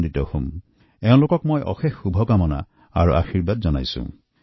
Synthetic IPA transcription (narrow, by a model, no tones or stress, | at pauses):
nditɔhum | ɛʊ̃lokɔkmɔjʔɔ̰xexːubʱɔkamɔna̰ | a̰ɹṵʔa̰xiɹbadzɔnajsʊ̰̃